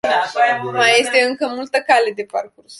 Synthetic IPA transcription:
maje̞st̪e̞ɨŋkəmult̪əkale̞d̪e̞pa̰rkurs

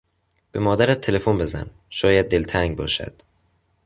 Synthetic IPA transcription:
b̥e̞mɒːd̪æɾæt̪̚ʰːe̞le̞fonbe̞zæ̰n | ʃɒːjæd̪̚ːe̞lt̪ʰæŋɡbɒːʃæ̰d̪̥

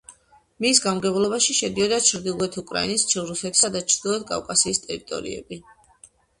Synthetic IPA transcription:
misɡamɡɛblˠɔbaʃiʃɛd̪iɔd̪at͡ʃʰɾd̪ilˠuɛt̪ʰukʼɾa̰inist͡ʃʰɾufɛk̪sad̪at͡ʃʰɾd̪iɛt̪̚kʼa̰fkʼasiːst̪ʼɛɾit̪ʼɔ̰ɾḭɛ̰bi

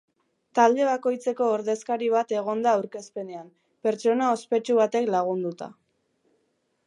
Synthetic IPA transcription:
t̪ald̪e̞β̞ako̞jt͡se̞ko̞ːɾðe̞skaɾiβ̞at̪e̞ɣ̞o̞nd̪aːwɾke̞spe̞ne̞am | pe̞ɾt͡ʃo̞nao̞spe̞t͡ʃuβat̪e̞klaɣ̞und̪ut̪a̰

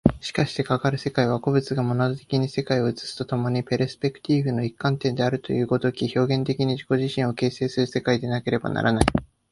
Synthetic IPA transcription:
ɕi̥kaɕi̥t̪e̞kakaɾɯ̟se̞kaiβako̞bɯ̟t͡sɨɡamo̞nod̪ot̪e̞kʲiɲ̟ise̞kaio̞ɯt͡sɨ̥sɨ̥t̪o̞t̪o̞mo̞ɲ̟ipeɾesɨ̥pe̞kɯ̟̥t̪ʲiːɸɯ̟no̞ikːãnt̪ẽ̞nd̪e̞aɾɯ̟t̪o̞̰jɯ̟ːɡo̞d̪o̞kʲiço̞ːɡẽ̞nt̪e̞kʲiɲ̟iʑiko̞ʑiɕĩɰ̃o̞ke̞ːse̞ːsɨɾɯ̟se̞kaid̪e̞nake̞ɾe̞ba̰na̰ɾʔa̰nai

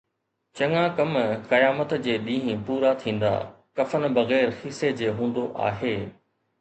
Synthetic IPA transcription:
t͡ɕɐ̃ŋãkɐmkɐjaːmət̪d͡ʑeːɗ̪ĩːɦĩpuːɾat̪ʰĩːn̆d̪a̰ː | kɐfən̆bɐɣɛːɾhɪsed͡ʑeːɦũːn̆d̪oʔa̰ːɦeː

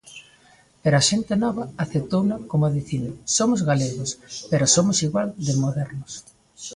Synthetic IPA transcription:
peɾoaʃent̪enɔβɐaθet̪ownɐkomʊðiθinsomʊzɣaleɣospeɾosomʊsiɣwald̪emoðɛɾnʊs

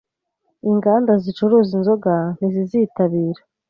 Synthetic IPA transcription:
iŋɡaːndazit͡ʃuɾuzinzo̞ɡan̥iziziːtaβiːɾḁ

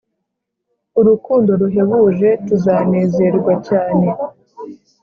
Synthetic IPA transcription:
uɾukuːndo̞ɾuɦe̞βuʒe̞tuzaːne̞ːze̞ɾɡwacaːne̞

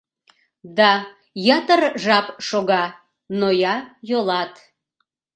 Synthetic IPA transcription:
d̪ɑ | jɑt̪ərʒɑpʃoɣɑ | nojɑjolɑt̪

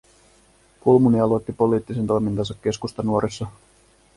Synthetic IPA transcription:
kulmuniɑlo̞jt̪ːipo̞liːt̪ːise̞nt̪ojmint̪ɑnsɑkːe̞skust̪ɑnuoɾʔisːɑ

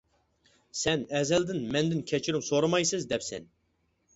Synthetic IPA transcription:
sɛnɛzɛld̪ɪnmɛnd̪ɪnkʲʰɛt͡ʃʰiɾymsoɾɑmɑjsɨzd̪ɛpsɛ̰n

